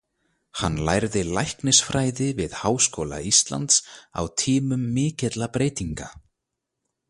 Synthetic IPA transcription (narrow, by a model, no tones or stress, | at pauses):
hanːla̰jɾðɪlajhknɪsfɾaːjðɪvɪðhaːwskowla̰ist̪la̰nt̪sa̰wt̪ʰiːmʏmːɪːcɛt̪lapɾeːjt̪iŋka